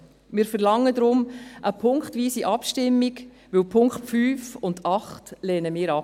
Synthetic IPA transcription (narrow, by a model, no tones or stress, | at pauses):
mɪːɾfəɾlɑŋːədɾʊmʔəpʰʊŋkχtʋiːsiʔɑpʃtɪmːiɡ | ʋɪwpʰʊŋkχtfyːfʊndɑχtlɛːnəmɪːɾɑp